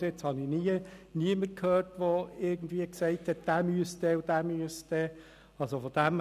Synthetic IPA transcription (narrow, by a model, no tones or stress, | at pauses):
ɪt͡shɑnɪniəniəmərkʰhøːrtʋoɪɾɡn̩d̪viəksɛɪthɛt̚d̥æːmyəst̪ɛud̥æːmyəst̪ɛ | ɑlsofɔd̥̪æm